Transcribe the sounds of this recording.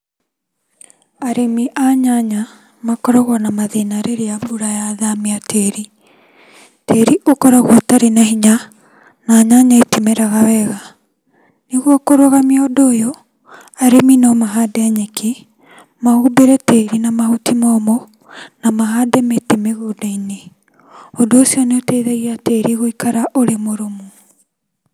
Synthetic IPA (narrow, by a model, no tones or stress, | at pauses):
aɾemiʔaɲaɲa | makɔɾɔɣwɔnamaðenaɾeɾeabuɾajaðamiatʰeɾi | teɾiʔokɔɾaɣwɔtaɾenaɦiɲa | naɲaɲaetimeɾaɣawɛɣa | neɣwɔkoɾoɣamiɔdoːjo | aɾeminɔmaɦadɛɲeki | mahubeɾɛteɾinamahutimɔːmo | namaɦadɛmetimeɣodaine | ɔdoːsiɔneoteiðeɣiateɾiɣoikaɾaʔoɾemoɾomu